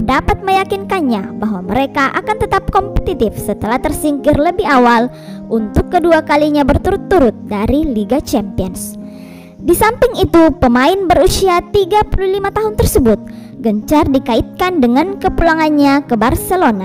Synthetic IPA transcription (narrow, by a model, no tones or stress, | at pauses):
dapat̪̚məjakinkanɲabaɦwaməɾekaʔakant̪ət̪ap̚kɔmpə̥t̪it̪ɪfsət̪əlaht̪ərsiŋkɪrləbɪɦawal | ʔunt̪ʊkːəduakaliɲabərt̪uɾʊt̪ːuɾʊt̪̚daɾiliɡat͡ʃɛmpiəns | disampɪŋit̪upəmaɪnbəɾusiat̪iɡapululimat̪aɦʊnt̪ərsəbʊt̪̚ | ɡəɲt͡ʃardikaɪt̪̚kandəŋankəpulaŋanɲakəbarsəlona